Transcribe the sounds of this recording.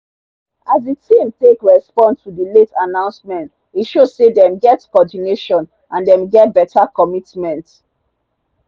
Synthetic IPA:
azditʰĩmtekɹɛspɔ̃nstudəletanãʊ̃nsmɛ̃nt | iʃoz̥sedɛ̃mɡɛtkɔɔdineʃɔ̃n | ʔãndɛ̃mɡɛt̚bɛtʰakɔmitmɛ̃nt

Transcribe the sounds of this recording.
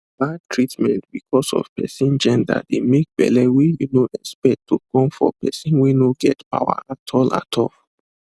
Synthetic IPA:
datʰɹitmɛ̃ntbikʰɔsɔ̰v̥pɛsĩnd͡ʒɛ̃nda̰demek̚b̥ɛ̰lɛwijunoʔɛkspɛtʰːukʰɔ̃mfɔ̰pɛsĩnwinoɡɛtpa̰wa̰atʰɔla̰tʰɔl

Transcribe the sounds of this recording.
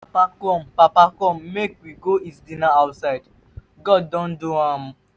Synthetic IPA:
papakɔ̃mpapakɔ̃mːekwiɡoisdĩnaaʊtsaɪd | ɡɔddɔ̃nduãm

